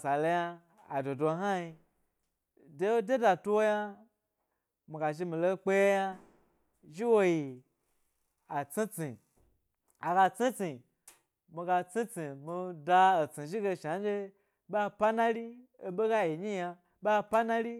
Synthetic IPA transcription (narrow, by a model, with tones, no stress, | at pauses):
sa˨lo˧ja˧ | a̰˨do˨do˧˦ɦa˦ji˧ | de˨˦o˦de˦da˨tu˦wo˦ja˦ | mi˨ɡa˨ʒi˧mi˨lo˧˦k͡pe˦je˦ja˦ | ʒi˦wo˦ji˨ | a˨t͡si˦t͡si˨ | a˨ɡa˧t͡si˦t͡si˨ | mi˧ɡa˧t͡si˦t͡si˨mi˧da˧o˨t͡si˨ʒi˦ɡe˧˨ʃa˨˦d͡ʒe˦ | ba˦pa˦na˦ɾi˦o˧be˦ɡa˦ji˨ɲi˦ja˧ | ba˦pa˦na˦li˦